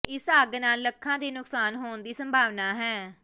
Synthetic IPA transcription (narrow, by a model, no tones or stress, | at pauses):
ɪsaːɡnaːlːəkʰːãːd̪eːnʊksaːnɦoːnd̪iːsəmbʱaːʋnaːɦɛː